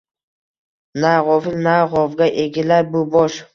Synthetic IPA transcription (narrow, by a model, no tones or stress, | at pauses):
naʁɒfɪlnaʁɒvɡʲaʔeɡʲɪlaɾbʊbɒʃ